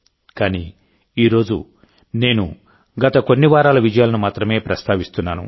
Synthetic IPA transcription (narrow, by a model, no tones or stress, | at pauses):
kaːni | iːɾo̞ːd͡ʒṵ | ne̞ːnṵ | ɡɐt̪ɐko̞nːiʋaːɾaːlɐʋid͡ʒɐjaːlɐnumaːt̪ɾɐme̞ːpɾɐst̪ʰaːʋist̪unːaːnṵ